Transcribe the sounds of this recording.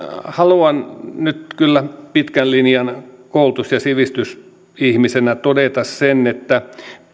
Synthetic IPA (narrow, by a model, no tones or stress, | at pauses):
hɑluɑnnyt̪kylːæpit̪kællinjɑnkoult̪usjɑsiʋist̪ys | ihmisenæt̪odet̪ɑssenːet̪ːæ